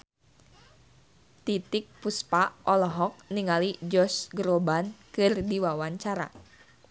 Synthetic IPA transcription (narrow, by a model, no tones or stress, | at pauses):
t̪it̪ɪk̚puspaʔɔlɔɦɔk̚niŋalid͡ʒɔsɡɾobankɨrdiwawaɲt͡ʃaɾa̰